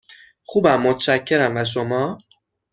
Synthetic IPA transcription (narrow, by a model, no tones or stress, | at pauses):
xuːbæmːot̪ʰt͡ʃæcʰːe̞ɾæmvæʃ̬omɒː